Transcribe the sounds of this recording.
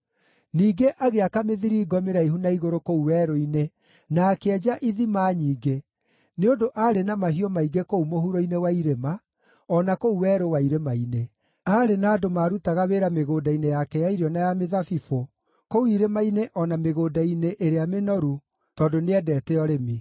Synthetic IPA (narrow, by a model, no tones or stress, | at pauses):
niːɡeʔaɣeakameðiɾiːɡɔmeɾaiɦunaiɣoɾokouwɛːɾoine | naːkeɛd͡ʒaʔiðimaːɲiːɡe | neodoʔaɾenamaɦiɔmaiɡekoumohuɾoinewaiɾema | ɔnakouwɛːɾowaiɾemaine | aɾenaːdomaːɾutaɣaweɾameɣoːdainejakɛjaiɾɔnajameðafifo | kouiɾemaineʔɔnameɣoːdaineʔeɾeamenɔɾu | tɔdoneɛdɛːtɛɔɾemi